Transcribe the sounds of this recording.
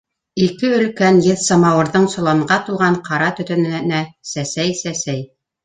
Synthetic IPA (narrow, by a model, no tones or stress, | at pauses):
ikɘɵ̆lkænjɘðsɑmɑwɤ̆ɾðɤɴsŏlˠɑɴɢɑt̪ulˠʁɑɴqɑɾɑt̪ɵ̆t̪ɵ̆nɘ̆ɘnæsæsæjsæsæj